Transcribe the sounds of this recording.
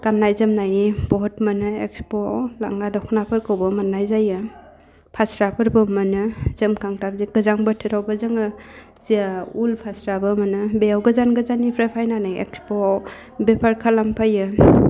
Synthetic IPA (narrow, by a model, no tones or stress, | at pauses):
kannːajzɯmnajnibɔɦɔtmənɯḛk̚spola̰ŋɡadɔkʰnapʰɯɾkɯwbɔmanːajzajɯ | pʰasɾapʰɯɾbɯmɯnɯzɯmkʰaŋtab̚ziɡɯzaŋbətʰɯɾawbazɯŋɯ | ziaulpʰasɾabɯmɐnɯbejawɡəzanɡɯzanːipʰɾepʰajnanɯjḛkspo | bepʰaɾkʰalampʰajɯ